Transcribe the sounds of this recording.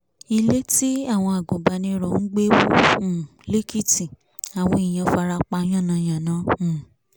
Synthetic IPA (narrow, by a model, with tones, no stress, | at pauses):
i˧le˦ti˦a˦˨w̃ɔ̃˧a˨ɡũ˨ba˨nĩ˧ɾɔ˨n̩˦ɡ͡be˦wũ˦˨ | le˦ki˦˨ti˨ | a˨w̃ɔ̃˧i˨j̃ã˨˧fa˧ɾa˧k͡pa˧˦j̃ã˦˨nã˧˨j̃ã˨nã˨˦˨